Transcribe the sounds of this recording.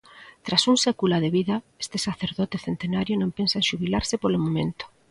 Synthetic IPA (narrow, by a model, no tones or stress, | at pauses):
t̪ɾasuŋsekulaðeβiða | e̥st̪esaθeɾðot̪eθent̪enaɾjonõmpensaenʃuβilaɾsepolomõmẽnt̪o̥